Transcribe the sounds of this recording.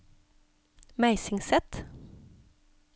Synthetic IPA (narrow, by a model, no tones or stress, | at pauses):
mæɪsɪŋsɛt̪